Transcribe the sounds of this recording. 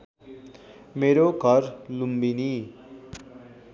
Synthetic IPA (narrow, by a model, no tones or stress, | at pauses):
meɾoɡʱʌrlumbini